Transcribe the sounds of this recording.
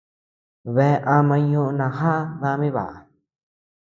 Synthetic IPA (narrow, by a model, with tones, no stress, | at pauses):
βe˧˨˧ʔa˧mã˧ɲũ˧ʔnã˧ɦa˦ðã˧mĩ˦βa̰˨a˨